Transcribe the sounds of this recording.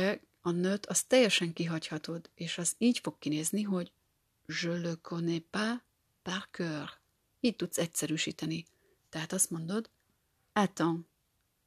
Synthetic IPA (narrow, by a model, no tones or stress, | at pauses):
ɛ | ɒnøt̪ʰɒst̪ɛjɛʃɛŋkiɦɒchɒt̪od̪eːʃɒziːcfo̞kːineːzniɦo̞ɟ | ʒølːøkʰonepa | parkør | iːc̚t̪ut̪sɛcsɛɾyːʃḭːt̪ɛni | t̪ɛɦat̪ɒst̪mo̞nd̪o̞d̪ | at̪ɒn